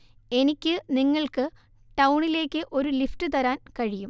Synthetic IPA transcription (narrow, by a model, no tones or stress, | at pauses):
e̞nikʲːɨniŋːɐɭkɨ | ʈɐwɳile̞ːkʲːɨʔo̞ɾulifʈɨt̪ɐɾaːnkɐɻijum